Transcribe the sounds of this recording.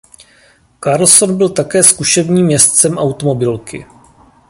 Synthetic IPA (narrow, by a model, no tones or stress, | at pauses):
kaɾl̩so̞nbɪlt̪akɛːskuʃɛvɲiːmːɲɛst̪t͡sɛmʔawt̪o̞mo̞bɪlkɪ̰